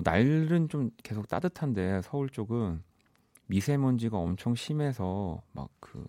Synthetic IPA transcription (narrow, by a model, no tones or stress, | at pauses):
na̰ɭɾɯnt͡ɕomke̞sʰok̚t͈a̰dɯtʰande̞sʰʌuɭt͡ɕ͈oɡɯn | misʰemʌnd͡ʑiɡaʌ̰mt͡ɕʰʌŋɕʰime̞sʰʌma̰k̚k͈ɯ̰